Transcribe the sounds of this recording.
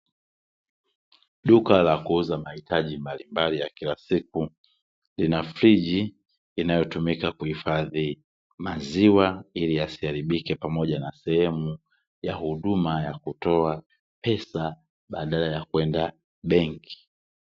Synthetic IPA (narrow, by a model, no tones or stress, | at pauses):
ɗukalakuuzamahitaʄimbalimbalijakilasik̚u | linafɾiʄiː | najɔtumikakuhifaði | maziwailijasiaɾiɓikɛpamɔʄanasɛhɛmu | jahuɗumajakutɔa | pɛsa | ɓaɗalajakwɛnda | ɓɛŋki̥